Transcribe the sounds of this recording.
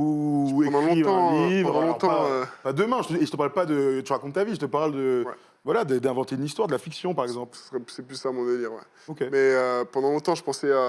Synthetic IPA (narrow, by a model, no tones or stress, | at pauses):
uẽd̪ɑ̃lɔ̃iɑ̃livʁd̪ãlɔ̃ɔʁt̪ɑ̃apad̪əmɛ̃ʒət̪əieʒət̪əpaʁlpad̪ət̪yʁakɔ̃t̪ːaviʒət̪əpaʁld̪əwɛ | vwalad̪əd̪ɛ̃vɑ̃t̪eynist̪waʁd̪əlafiksjɔ̃paʁɛɡzɑ̃plsḁsʁɛsɛplysːamɔ̃d̪eliʁwɛ̰ | okʲemɛøpɑ̃d̪ɑ̃lɔ̃t̪ɑ̃ʒəpɑ̃sɛa